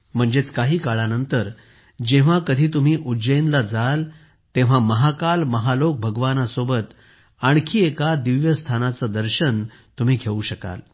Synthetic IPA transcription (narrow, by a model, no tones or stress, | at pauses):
m̤əɳd͡zet͡skaɦiːkaɭanənt̪əɾ | d͡ʑeʋ̤akəd̪ʱiːt̪um̤iːʔud͡ʑəinlad͡zal | t̪ẽʋ̤aməɦakalməɦalok̚bʱəɡʋanasobət̪ | aɳ̃kʰiːekad̪iʋjəst̪ʰanat͡səd̪əɾɕən | t̪um̤iːɡʱeuɕəka̰l